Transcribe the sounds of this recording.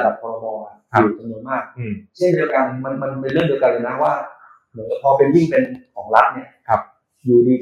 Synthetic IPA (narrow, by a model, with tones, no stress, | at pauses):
da˨˩p̚kʰɔː˧ɾa˧bɔː˧ʔa˨˩˧uː˨˩t͡ɕa˧mnu˧ənmaː˥˩k̚t͡ɕʰe˥˩ndi˧ka˧nma˧nma˧np̬e˧nɾɯ˥˩di˧kaː˧juː˨˩na˦˥waː˥˩ | mɯ˩˦nka˧˩pʰɔː˧pe˧nji˥˩ŋpe˧nkʰɔː˩˦ŋla˦˥t̪̚ni˦˥˩ɐ˧˩ | juː˧˩diː˧˩